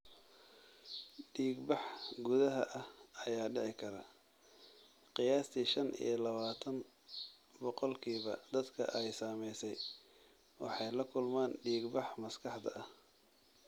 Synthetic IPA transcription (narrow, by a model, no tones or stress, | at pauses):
ɖiːɡbɑħɡʊðɐɦɐʔɐhɐjaːɖɪʕɪkʰɐɾɐ | qɪjaːst̪ʰiːʃɐnʔḭjlɐβaːt̪ʰɐn | bɔqɔlkʰiːβɐd̪ɐd̪kʰɐ̰ʔɛjsaːmɛjsɛj | wɑ̰ħɑjlɐkʰʊlmaːnɖiːɡbɑħmɐskʰɑħd̪ɐ̰ʔɐh